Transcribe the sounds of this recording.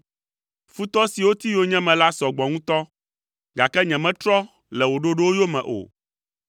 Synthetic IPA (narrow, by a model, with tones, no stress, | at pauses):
fu˦t̪ɔ˦si˨wo˦t̪i˦jo˦ɲɛ̃˦mɛ̃˨la˦sɔ˨ɡ͡bɔ˨ŋũ˦t̪ɔ˦ | ɡa˨kɛ˦ɲɛ̃˨mɛ̃˦t̪ɾɔ˦ | lɛ˨wo˨ɖo˦ɖo˦wo˦jo˦mɛ̰̃˨ʔo̰˨